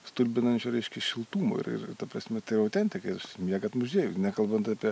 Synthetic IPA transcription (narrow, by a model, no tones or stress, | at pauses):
st̪ʊlʲbʲɪnɐnʲt͡ʃʲʊɾʲɛɪʃʲkʲɛʃʲɪlˠt̪uːmo̰ɪ̰ɾɪ̰rɪt̪ɐpɾɐsʲmʲɛt̪ɐɪɾɐʊt̪ʲɛnʲt̪ʲɪkɐɪɐʃmʲiɛɡɐt̪mʊʒʲeːjʊnʲækɐlˠbɐnt̪ɑːpʲiɛ